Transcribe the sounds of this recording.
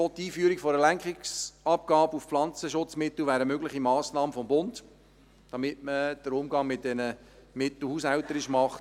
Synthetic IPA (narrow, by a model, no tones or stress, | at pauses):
ɔtiːfyəɾikfɔɾəlæŋkχɪksɑp̚ɡ̥ɑːbufflɑnt͡səʃʊt͡smɪt̪l̩ʋæːɾəmøɡlɪχimɑːsnɑːməfɔmbʊnt | d̥ɑmɪtməd̥əɾʊmɡɑŋmɪt̚d̥ɛnə | mɪt̪l̩hus̬ɛltəɾɪʃmɑχt